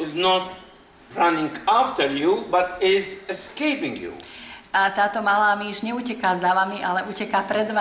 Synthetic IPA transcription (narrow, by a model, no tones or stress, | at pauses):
ɪznɔt | ɹanɪ̃ŋaft̪əɾjubatɪzɛskeɪpɪ̃ŋjṵat̪aːt̪ɔmalaːmiʒɲɛuːcɛkaːzaʋamiʔalɛʔuːcɛkapɾɛd̪ʋa